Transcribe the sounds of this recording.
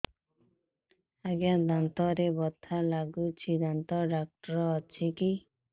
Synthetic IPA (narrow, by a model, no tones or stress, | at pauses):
aɡjad̪ant̪ɔɾebɔt̪ʰalaɡut͡ʃʰid̪ant̪ɔɖak̚ʈɔɾɔːt͡ʃʰiki